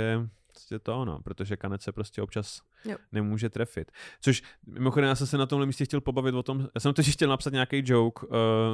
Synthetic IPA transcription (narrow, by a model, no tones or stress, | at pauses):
ɛpɾo̥scɛt̪oono̰pɾot̪oʒɛkanɛt͡ssɛpɾo̞scɛʔop̚t͡ʃas | nɛmuːʒɛt̪ɾɛfɪt̪t͡soʃmɪ̰moxodɛmjaːs̬ɛmsɛnat̪omɦlɛmiːscɛxcɛlpobavɪt̪vot̪o̞mjaːsɛmt̪oɛxcɛlnapsat̪ɲaːkejd͡ʒo̞wkː